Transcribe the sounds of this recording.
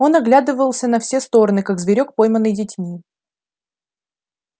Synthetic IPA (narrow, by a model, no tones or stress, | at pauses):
o̞nɐɡlʲad̪ɨvəəlˠsʲənɐfsʲest̪o̞ɾənɨkaɡzvʲɪɾʲo̞k̚po̞jmənːɨjdʲɪtʲmʲi